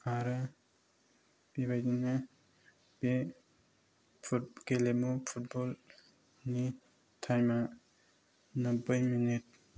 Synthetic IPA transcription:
aɾɯ | b̥ibajdina | b̥e | pʰukelemupʰut̚bɔl | ni | tʰajma | nəpəjminit̚

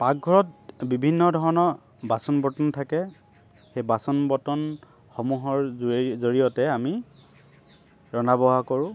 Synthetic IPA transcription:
pak̚ɡʱɔɹɔt̚bibʱinːɔdʱɔɹɔnɔ | basɔnbɔtɔntʰakɛ | xejbasɔnbɔtɔn | xomuɦɔɹzoɹijɔtɛami | ɹɔnabɔɦakoɹʊ̃

